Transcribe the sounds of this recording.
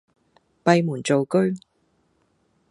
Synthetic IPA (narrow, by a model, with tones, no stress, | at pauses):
pɐ˨˧jmuː˨˩nt͡so˨wkɵ˥ɥ